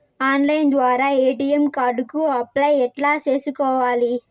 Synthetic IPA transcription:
aːnlɐjnd̪ʋaːɾaːeːʈijɐmkaːɾɖukuɐplɐjɛʈlaːt͡ʃe̞ːsukɔːʋaːli

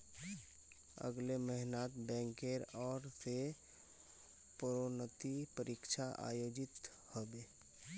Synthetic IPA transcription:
ə̰ɡleməɦɪnaːt̪bɛ̃ːŋkeɾɔːɾse | pɾonət̪ipəɾikʃʰaʔa̰ːjoːd͡ʒɪt̪ | hobeː

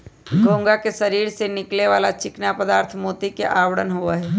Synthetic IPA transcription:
ɡʱoːŋɡakeʃɐɾiːɾsenɪkleʋaːlat͡ʃɪknapəd̪aːɾt̪ʰmoːt̪ikeʔaːwəɽənɦuaɦɛː

